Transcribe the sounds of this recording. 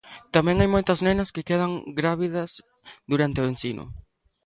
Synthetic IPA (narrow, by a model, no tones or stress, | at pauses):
t̪amɛ̃ŋajmojt̪ɐznenɐskɪkeðɐŋɡɾaβiðɐs | ðuɾant̪ɪʊensinʊ̰